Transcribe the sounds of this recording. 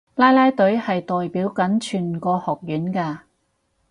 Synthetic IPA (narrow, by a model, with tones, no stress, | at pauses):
laː˥jlaː˥jt̪ɵ˨˥ɥhɐ˨jt̪ɔː˨jpiː˨˥wkɐ˨˥nt͡ʃʰyː˨˩nkɔː˧hɔː˨k̚jyː˨˥nkaː˧